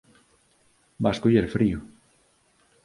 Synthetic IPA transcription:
baskoʎeɾfɾiʊ

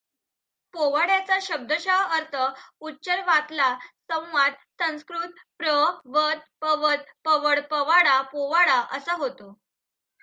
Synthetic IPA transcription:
poʋaɽjat͡saɕəb̚d̪ʱəɕaɦəɾt̪ʰəutːɕəlʋat̪lasə̃w̃ʋad̪̚sə̃w̃skɾut̪̚ | pɾəʋəd̪̚pəʋəd̪̚pəʋəɽpəʋaɽapoʋaɽaʔəsəɦot̪o

